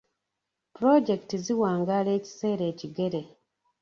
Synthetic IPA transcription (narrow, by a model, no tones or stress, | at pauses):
pɾoɟe̞ktiziwaːŋɡaːle̞ːci̥se̞ːɾe̞ːciɡe̞ɾe̞